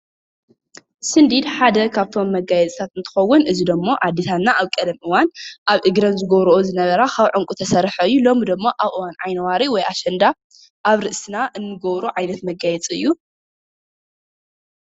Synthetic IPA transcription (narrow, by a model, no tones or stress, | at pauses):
sɨnd̪id̪ħad̪ɐkʰaβt̪ʰo̞mːɐɡajɛt͡sʼɨt̪ʰat̪ɨnt̪ʰɨ̥xɐwːʊnʔɨzid̪ɨmːo̞ʔad̪ːit̪ʰat̪naaβkʼɐd̪ɐmʔɨwanʔaβʔɨɡɾɐnzɨɡɐβɾʔozɨnɐβɐɾakʰaβʕɨŋkʼut̪ʰɐsɐɾħɐɨjːulo̞mid̪ɨmːoʔaβʔɨwanʕajnɐwaɾiwɔjaʃɐnd̪a | ʔaβɾɨʔsɨnaʔɨnːɨɡɐβɾuʕajnɐt̪mɐɡajɛt͡sʼɨ̰jːu